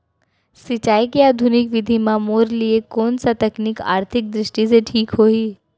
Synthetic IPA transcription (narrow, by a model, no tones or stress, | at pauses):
sɪt͡ʃaːikiaːd̪ʱunɪkʋɪd̪ʱimãmoːɾliekoːnsat̪ɐknɪka̰ːɾt̪ʰɪk̚d̪ɾɪʃʈis̬eʈʰiːkɦoːiː